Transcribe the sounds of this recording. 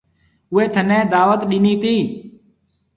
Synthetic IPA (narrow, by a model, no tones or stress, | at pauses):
ʊɦeːt̪ʰənẽːd̪aːʋət̪ɗɪniːt̪iː